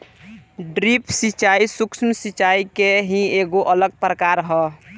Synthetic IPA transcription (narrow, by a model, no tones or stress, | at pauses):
ɖɾipʰsit͡ʃaisuksəmsit͡ʃaikeɦĩeːɡoʔələɡ̚pɾəkaɾɦɛ